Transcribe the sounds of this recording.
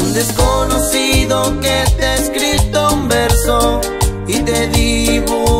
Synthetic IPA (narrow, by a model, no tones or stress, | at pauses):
d̪eskonosiðoket̪eskɾit̪oũmbeɾso | it̪eliβo